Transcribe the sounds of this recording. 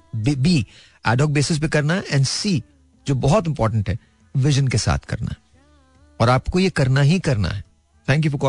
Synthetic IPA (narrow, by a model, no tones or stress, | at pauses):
bibiː | ɛ̰ːɖɔːk̚beːsɪs̬bʱikɐɾnaɦʔɛ̃ːɳɖsiː | d͡ʒoːbɔɦɔt̪ɪ̃mpɔːɾʈ̬ə̃ɳʈɦɛ | ʋɪʒənkesa̰ːt̪ʰkɐ̰ɾna̰ɦɛ | ɔːɾaːpkojekɐɾnaɦikɐɾna̰ɦɛ | t̪ʰɛ̃ːŋk̬jufɔɾkɔː